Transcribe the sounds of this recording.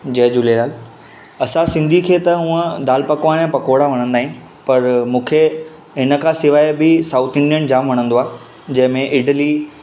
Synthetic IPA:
d͡ʑɐɦd͡ʑulelaːl | ɐsãsɪ̃nd̪ʱikʰeːt̪ɐɦũːə̃d̪aːlpɐkoãnẽpɐkoːɽaʋɐɽ̃ə̃nd̪aːɦĩn | pɐɾmũːkʰe | ɦɪnə̆kʰãsɪʋaːebɪsaːʊt̪ʰɪ̃ɳɖiənd͡ʑaːmʋɐɽ̃ə̃nd̪oaː | d͡ʑɐ̃ɦɪ̃mẽʔɪʈəli

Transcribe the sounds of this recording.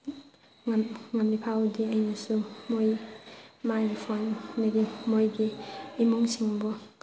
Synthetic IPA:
ŋmŋamlipʰawdiəjnasumoj | majɾipʰannaɡimojɡiːmuŋsiŋbɔ

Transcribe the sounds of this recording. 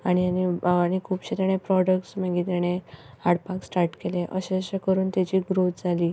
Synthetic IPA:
aɽ̃ianiaɽ̃ikʰuːpɕet̪eɽ̃epɾɔɽək̚ʈsməɡit̪̬eɽ̃e | haɽpaksʈaɾʈkeleʔəɕeəɕekəɾuːnt̪at͡ɕiːɡɾot̪d͡zʱaliː

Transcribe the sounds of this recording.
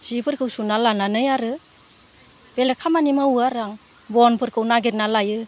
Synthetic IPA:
zipʰɯɾkʰɯwsunalananɯjaɾɯ | b̥elekʰamanimauaɾaŋ | bɔnpʰɯɾkʰɯwnaɡeɾnalajɯ

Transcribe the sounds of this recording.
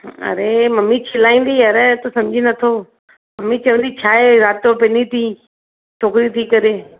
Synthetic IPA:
ə̰ɾeːməmːiːt͡ʃʰɪlaːĩːnd̪iːəɾɛt̪osəmd͡ʒʱiːnət̪ʰoː | məmːiːt͡ʃəʋə̃nd̪iːt͡ʃʰaːeːɾaːt̪ːopeniːt̪ʰiː | t͡ʃʰoːkɾit̪ʰiːkəɾeː

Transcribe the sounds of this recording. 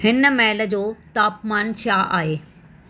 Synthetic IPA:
hɪnə̆mɛːlə̆d͡ʑoːt̪aːpmaːnt͡ɕʰaːʔa̰ːɦeː

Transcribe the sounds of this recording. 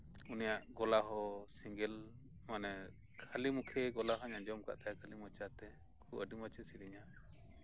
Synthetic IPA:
unijaʔɡɔlaɦɔsiŋɡɛl | manɛ | kʰalimukʰɛɡɔlaɦaɲad͡ʒɔmka̰ʔt̪ajakʰalimɔt͡ʃat̪ɛ | kʰuʔəɖimat͡ʃɛsiɾiɲa

